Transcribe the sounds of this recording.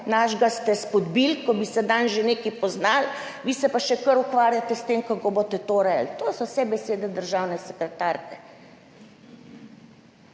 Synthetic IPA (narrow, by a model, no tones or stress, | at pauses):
naʒɡast̪ɛspɔd̪bilkɔbisɛd̪anʒeneːkipɔznalʋiːsɛpaʃɛkəɾukʋaːɾjat̪ɛst̪emkakobot̪ɛt̪oɾɛlt̪oːsɔwsɛbɛseːd̪ɛd̪əɾʒawnɛsɛkɾɛt̪aːɾkɛ